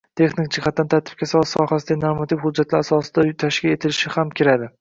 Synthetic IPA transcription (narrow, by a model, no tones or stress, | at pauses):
t̪ʰe̞χnɪk̚d͡ʒɪhat̪̚ːant̪ʰaɾt̪ʰɪ̥b̥̚kʲʰasɒsɒhasɪd̪anoɾmat̪ʰɪfhʊd͡ʒːat̪laɾasɒsɪd̪ajt̪ʰaʃkʲae̞t̪ʰɪlɪʃɪhamkʲʰɪɾad̪ɪ